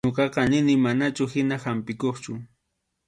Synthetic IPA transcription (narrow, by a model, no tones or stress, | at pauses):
oqɑqɑnɪnɪmanat͡ʃʊhɪnahampɪkoχt͡ʃʊ